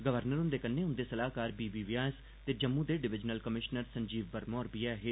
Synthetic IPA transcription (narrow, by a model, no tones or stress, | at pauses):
ɡəʋəɾnəɾɦʊ̃nd̪eːkənːeːʊ̃nd̪eːsəlaːkaːɾbiːbiːʋɪjaːs | t̪eːd͡ʒəmːũːd̪eːɖɪʋɪd͡ʒnəlkəmɪʃnəɾsəɲd͡ʒiːʋːəɾmoːɾbiɛːɦeː